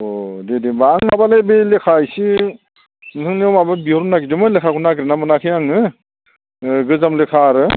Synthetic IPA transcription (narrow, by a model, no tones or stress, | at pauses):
odedebaːŋmabalajbelekʰajsi | nɯtʰɯŋniowmababiɦɔɾunaɡidɯmɯlekʰakʰunaɡɾenamɯnakʰɯjaŋɯ | ɡɯzamlekʰaɾɯ